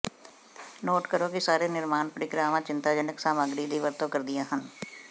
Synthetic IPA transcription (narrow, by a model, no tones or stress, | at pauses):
noːʈkəɾõkisaːɾenɪɾmaːnpəɾɪɡɾaːʋãt͡ʃɪ̃nt̪aːd͡ʒənɪksaːməɡɾid̪ʱiʋəɾt̪õkɐɾd̪ɪjaɦən